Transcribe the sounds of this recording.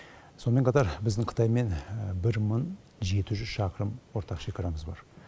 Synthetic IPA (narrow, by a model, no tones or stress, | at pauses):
so̞nəme̞ɴqʰɑt̪ɑɾbɪzd̪ɪɴqʰə̥t̪ɑjme̞nbɪɾməɴ | ʒe̞t̪ɪʒʏz̥ʃɑqəɾəmwo̞ɾt̪ɑqʃekʲɑɾɑməzbɑ̰ɾ